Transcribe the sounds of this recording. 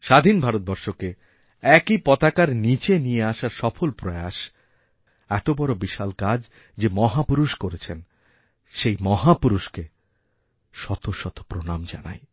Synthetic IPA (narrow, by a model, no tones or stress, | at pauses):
ʃad̪ʱinbʱaɾot̪̚bɔɾʃoke | ɛkipɔt̪akaɾnit͡ɕenijeaʃaɾʃɔfolpɾoeaʃ | ɛt̪obɔɾobiʃalkad͡ʑ | d͡ʑemɔɦapuɾuʃkoɾet͡ɕʰen | ʃejmɔɦapuɾuʃke | ʃɔt̪ʰoʃɔt̪o̥pɾonamd͡ʑa̰na̰j